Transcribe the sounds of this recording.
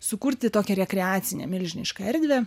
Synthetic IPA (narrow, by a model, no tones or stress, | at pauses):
sʊkuɾʲt̪ʲɪt̪oːkʲɛɾʲɛkʲɾʲɪaːt̪sʲɪnʲɛ̰mʲɪlʲʒʲɪnʲɪʃkɐɛɾʲd̪ʲʋʲeː